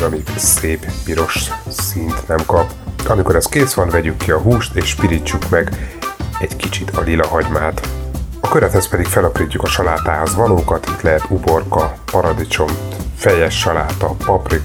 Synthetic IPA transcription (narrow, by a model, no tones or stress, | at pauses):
ɒmiɡseːppiɾo̞ʃsint̪nɛmkɒp | ɒmiko̞ɾɛskeːsʋɒnvɛɟykːiɒɦuːʃt̪eːʃpiɾit͡ʃːukmɛɡ | ɛɟkit͡ʃit̪ʰɒlilɒɦɒɟmaːt̪ɒkøɾɛt̪hɛspɛd̪ikfɛlɒpriːcːukɒʃɒlaːt̪aːɦo̞zvɒloːkɒt̪it̪lɛɦɛt̪ubo̞rkɒpɒɾɒd̪it͡ʃo̞mfɛjɛʃːɒlaːt̪ɒpɒprik